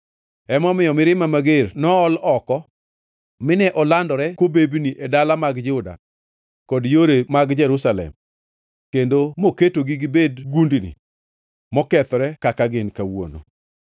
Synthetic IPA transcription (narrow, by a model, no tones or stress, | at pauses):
ɛmɔmɪjɔmɪɾɪmamaɡernɔɔlɔkɔ | mɪnɛʔɔlandɔɾɛkwobebniʔedalamaɡd͡ʒʊda̰ | kɔdjoɾemaɡd͡ʒɛɾusalɛ̰m | kendomoketoɡiɡibedɡundnḭ | mɔkɛt̪ɾɛkakaɡɪnkawo̰no̰